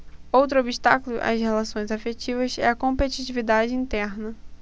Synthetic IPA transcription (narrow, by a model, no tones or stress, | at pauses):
owt̪ɾʊobiʃt̪akulʊʔɐ̰shelasõj̃zafet͡ʃivɐzɛ̰ɐkõpet͡ʃit͡ʃivid̪ad͡ʒɪĩnt̪ɛɾnɐ